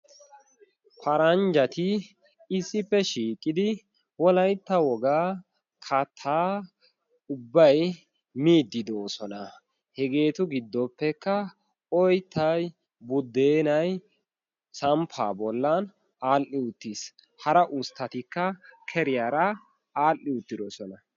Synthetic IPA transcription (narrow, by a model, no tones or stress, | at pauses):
pʰɐɾɐnd͡ʒɐt̪ɪ | ɪsːɪpːɛʃiːkʼːɪd̪ɪ | wɔlɐjt̪ːɐwɔɡaː | kʰɐt̪ʰːaː | ʊbːɐj | miːd̪ːɪd̪oːsɔnɐ | hɛɡe̞ːt̪ʊɡɪd̪ːɔpːɛkːɐ | ɔjt̪ːɐj | bʊd̪ːeːnɐj | sɐmpʰa̰ːbɔlːɐn | aːlʔɪʊt̪ːis | hɐɾɐʔʊst̪ːɐt̪ɪkːɐkʰɛɾɪjaɾɐ | aːlʔːɪʊt̪ːɪd̪ɔsɔnɐ